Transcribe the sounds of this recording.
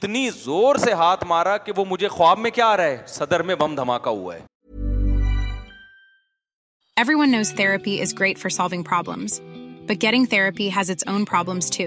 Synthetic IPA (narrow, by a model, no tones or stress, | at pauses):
ɪt̪nizoːɾseɦaːt̪ʰmaːɾakeʋomʊd͡ʒʱexʊaːbmẽkjaːɾɐɦeːsɐd̪əɾmẽbɐ̃md̪ʱɐmaːkaɦṵa̰ɛː | ɛvɹiwʌ̃nːoʊz̥θɛɹɨpiʔɪzɡɹeɪtfə˞sɑlˠvɪ̃ŋpʰɹ̥ɑblə̰̃mz̥b̥ʌt̚ɡ̥ɛɾɪ̃ŋθɛɹɨpiɨzɨtsõʊ̃npʰɹ̥ɑblə̃mz̥tʰʉ